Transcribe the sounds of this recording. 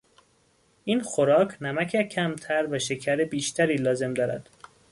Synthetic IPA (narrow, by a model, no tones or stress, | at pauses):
ʔiːnxo̞ɾɒːcʰnæmæcʰecʰæmt̪ʰæɾvæʃe̞cʰæɾebiːʃt̪ʰæɾiːlɒːze̞md̪ɒːɾæ̰d̪̥